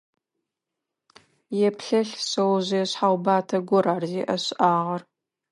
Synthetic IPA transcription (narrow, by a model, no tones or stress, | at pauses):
jɛpʰɬɐɬsɐwʑɐjɛɕħawbaːtʰɐɡʷʊɾaːrziːʔɐɕʔaːʁɐr